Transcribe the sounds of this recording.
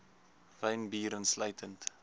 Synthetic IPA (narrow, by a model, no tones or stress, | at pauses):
rəɥnbiːɾənsləjtʰənt